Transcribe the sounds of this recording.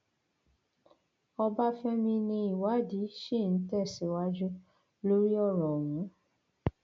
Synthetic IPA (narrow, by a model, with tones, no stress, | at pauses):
ɔ˧ba˦fɛ˦mĩ˧nĩ˧i˨wa˨˦di˨˦ʃe˦˨n̩˨˦tɛ˦˨si˨˦wa˦d͡ʒu˦ | lo˦ɾi˦ɔ˦˨ɾɔ˨wũ˨˦